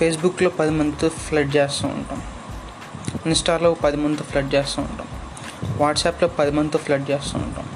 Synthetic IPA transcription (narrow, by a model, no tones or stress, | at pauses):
peːs̬bukːloːpɐd̪imɐnd̪t̪upʰlɐɖt͡ʃeːst̪aːṵɳʈa̰ːm | insʈaːloːpɐd̪imɐnd̪upʰlɐɖt͡ʃeːst̪aːṵɳʈa̰ːm | ʋaːʈsaːploːpɐd̪imɐnd̪upʰlɐɖt͡ʃeːst̪a̰ːṵɳʈa̰ːm